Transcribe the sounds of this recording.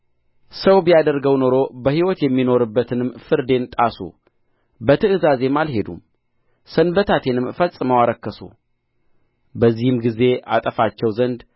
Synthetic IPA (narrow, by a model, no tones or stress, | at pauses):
səwbijad̪əɾɡəwno̞ɾo̞bəhiwɔt̪jɛmːino̞ɾɨbːət̪ʰɨnɨmfɨɾd̪e̞nt̪ʼasṵ | bət̪ʰɨɨzaze̞malɦe̞d̪ṵm | sənbət̪ʰat̪ʰe̞nɨmfəlsʼɨməwaɾəkːəsṵ | bəzːihɨmɡize̞ʔa̰t̪ʼəfat͡ʃːɛwzənd̪